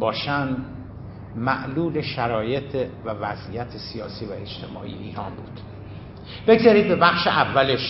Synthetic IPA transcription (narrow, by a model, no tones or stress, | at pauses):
bɒːʃænd̪ | mæ̰ʔluːleʃæɾɒːje̞t̪ʰevævæzijæt̪ʰesijɒːsiːvæe̞t͡ʃt̪ʰe̞mɒ̰ːʔḭḛiːɾɒːnbuːd̪̥ | b̥eɡzɒɾiːd̪̚be̞bæxʃeʔævːæleʃ